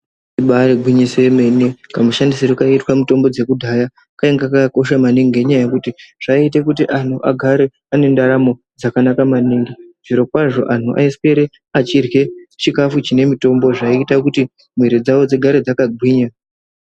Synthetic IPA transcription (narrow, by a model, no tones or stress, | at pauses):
iɓaɾeɡwiɲisemenikamuʃandisiɾukaitwamuto̞mbo̞d͡ze̞kudʱaja | kaeŋɡakaako̞ʃamaniŋɡeɲaajekutiʐ̥ait̬ekutiʔan̤ʰuʔaɡʱaɾe̞ | ane̞ndaɾamo̞ | d͡zakanakamaniːŋɡiʐ̥iɾo̞kwaʐo̞ʔan̤uʔa̰ispeɾe | at͡ʃirwe̞t͡ʃikafut͡ʃine̞mito̞mbo̞ʐaiitakuti | m̤wiɾid͡zaʋo̞d͡ziɡʱaɾed͡zakaɡʱwiːɲa